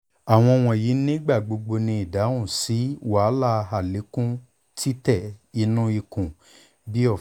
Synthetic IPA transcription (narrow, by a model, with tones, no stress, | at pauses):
a˨w̃ɔ̃˧w̃ɔ̃˧˨ji˨˦nĩ˦ɡ͡ba˦˨ɡ͡bo˧ɡ͡bo˧nĩ˧i˨da˨˦ũ˦˨si˨˦wa˨˦la˦˧ɦa˦˨le˨˦kũ˦ | tʰi˦tɛ˦˨i˧nũ˦i˧kũ˨ | bi˦ɔ˦˨